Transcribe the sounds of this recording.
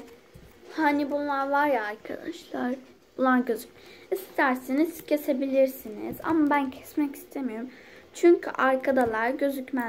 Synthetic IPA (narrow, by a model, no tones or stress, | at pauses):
hanibulːˠaɾvaɾjaːɾkʰa̰d̪aʃlˠaɾ | bulˠanɟøzypist̪ʰæɾsinizcʰe̞se̞bilʲiɾsinḭz̥a̰mːabæncʰɛ̥smɛci̥st̪ʰemijoɾum | t͡ʃʰyɲcʰy̰ʔaɾkʰad̪alˠaɾɟø̞zycmæ